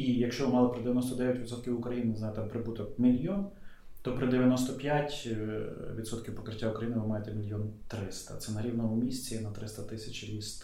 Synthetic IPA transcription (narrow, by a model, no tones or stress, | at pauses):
ijɐkʃt͡ʃɔʋɪmɑlˠɔpɾɪd̪eʋjɐnɔst̪ɔd̪ɛʋʲjɐtʲʋʲid̪sɔt̪kʲiwʊkɾɐjinnzɑjt̪ɛmpɾɪbut̪ɔkmʲilʲjɔn | t̪ɔpɾɪd̪eʋʲjɐnɔst̪ɔpʲjatʲ | ʋʲid̪sɔt̪kʲiwpɔ̥kɾɪtʲːaʊkɾɐjinɪʋɪmɑjet̪ɛmʲilʲjɔnt̪ɾɪst̪ɐ̰t̪sɛnɐɾʲiwnɔmɔmʲisʲt͡sʲinɐt̪ɾɪst̪ɐt̪ɪsʲɐt͡ʃɾʲist̪